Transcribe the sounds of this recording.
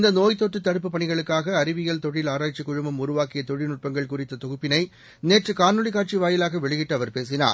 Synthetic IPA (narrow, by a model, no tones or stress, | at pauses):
ɪnd̪ɐnoːjt̪ːoʈːɯt̪ːɐɽɯp̬ːɯpɐɳɪɣɐɭɯkːaːɣɐːɾɪʋɪɣɐɭt̪ɔɻɪlaːɾaːt͡ʃːikːʊɻɯmɐmʊrʊʋaːkɪjɐt̪ɔɻɪnʊʈ̚pɐŋɡɐɭkʊrɪt̪ːɐt̪ɔɣɯpːɪnɐɪ | neːʈrɯkaːnːɯɭɪkaːʈ̚t͡ʃiʋaːjɪlaːɣɐʋɛɭɪɣɪʈːɐʋɐɾpeːs̬ɪna̰ːɾ